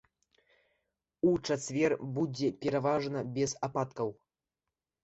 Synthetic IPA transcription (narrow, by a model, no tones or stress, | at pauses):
ut͡ʂat͡svʲɛrbud͡zʲɛpʲɛɾavaʐnɐbʲɛzapat̪kɐw